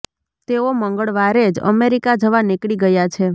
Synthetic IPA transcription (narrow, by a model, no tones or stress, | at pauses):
t̪eoməŋɡəɭʋaɾed͡ʒə̰meɾikad͡ʒəʋanɪkɭiɡəjat͡ʃʰe